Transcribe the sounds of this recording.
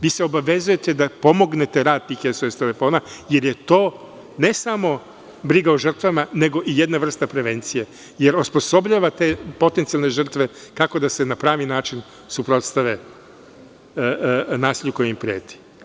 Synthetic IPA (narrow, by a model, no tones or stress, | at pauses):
ʋiːseobaʋe̞zuje̞t̪e̞d̪apo̞mo̞ɡne̞t̪e̞ɾaːd̪̚t̪iːxjesoest̪ele̞fo̞ːnaje̞ɾjet̪o̞ː | ne̞samo̞ | bɾiɡaoʒr̩t̪ʋamane̞ɡo̞ʔijed̪naʋr̩st̪apɾe̞ʋe̞nt̪sije̞ | jeɾospo̞so̞bʎaːʋat̪epo̞t̪e̞nt̪sialˠne̞ʒr̩t̪ʋekako̞d̪ase̞napɾaːʋinaːt͡ʃin | supɾo̞t̪st̪aʋe | naːsiʎuko̞jeimpɾieːt̪i̥